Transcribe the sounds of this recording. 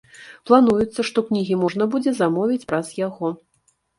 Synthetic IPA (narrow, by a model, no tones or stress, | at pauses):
plˠanujut̪sːɐʂt̪ɔknʲiɣʲimɔʐn̪ɐbud͡zʲɛzamɔvʲit͡sʲpɾɐz̥jaɣɔ